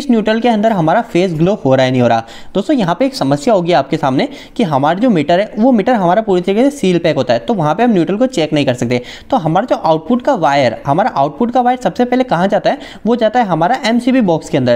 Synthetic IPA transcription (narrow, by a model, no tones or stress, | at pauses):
ɪsnjuːʈɾəlkeɐ̃nd̪əɾɦɐmaːɾafeːsɡloːhoːɾaɦɛnɐɦĩɦoːɾaː | d̪oːst̪õjɐɦãpeeːksɐməsjaɦoːɡiaaːp̚kesaːmne | kiɦɐmaːɾid͡ʒoːmiːʈəɾɦɛʋomɪːʈəɾɦɐmaːɾapuːɾit̪ɾikesesiːlpɛːkɦoːt̪aɦɛt̪oʋɐɦãpeɦɐmnjuːʈɾəlkot͡ʃɛːknɐɦĩkɐɾsɐk̚t̪eː | t̪oːɦɐmaːɾad͡ʒoːʔaːʊʈ̚pʊʈkaʋaːjəɾɦɐmaːɾaʔaːʊʈ̚pʊʈkaʋaːjəɾsɐbsepɛɦlekɐɦãd͡ʒaːt̪aɦɛː | ʋod͡ʒaːt̪aɦɛɦɐmaːɾaʔɛːmsiːbibɔːkskeɐ̃nd̪əɾ